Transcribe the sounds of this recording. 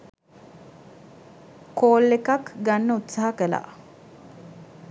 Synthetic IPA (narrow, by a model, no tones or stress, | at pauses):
koːlːekakɡanːəut̪saɦɐkəla̰ː